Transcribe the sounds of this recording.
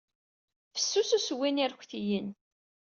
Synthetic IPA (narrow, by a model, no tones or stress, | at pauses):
fə̥sːususwiniɾkʷːθijən